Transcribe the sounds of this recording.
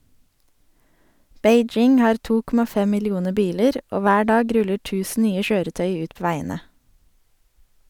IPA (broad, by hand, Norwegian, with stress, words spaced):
ˈbeɪˌd͡ʒɪŋ ˈhɑːɾ ˈtuː ˈkɔmɑ ˈfɛ ˌmɪlɪˈuːnə ˈbiːləɾ ˈoː ˈʋæː ˈɖɑːɡ ˈɾʉlə ˈʈʉːsn̩ ˈnyːə ˈʃøːɾəˌtœʏ ˈʉːt ˈpoː ˈʋæɪənə